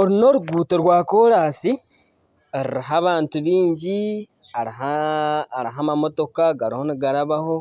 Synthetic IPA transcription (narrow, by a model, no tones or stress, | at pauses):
o̞ɾino̞ɾuɡuːteɾwaːko̞ːɾaːsi | eɾḭɾiɦaβaːntuβiːɲɟi | aɾiɦaː | ɾiɦamamo̞to̞kaɡaɾiho̞niɡaɾaβaho̞